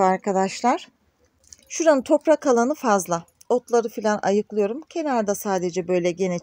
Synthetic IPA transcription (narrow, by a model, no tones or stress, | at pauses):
aɾkʰad̪aʃlˠaɾ̥ | ʃuɾanɯt̪ʰo̞pɾakʰalˠanɯfazlˠa | o̞t̪lˠaɾɯfilʲanʔa̰jɯklˠɯjo̞ɾumcʰe̞naɾd̪asaːd̪e̞d͡ʒɛbø̞jlʲɛɟe̞nɛ